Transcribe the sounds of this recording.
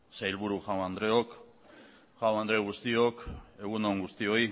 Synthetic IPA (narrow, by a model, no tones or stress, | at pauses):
sajlβuɾuʝawand̪ɾe̞o̞k | ʝawand̪ɾe̞ɣust̪io̞ke̞ɣ̞unoŋɡust̪io̞i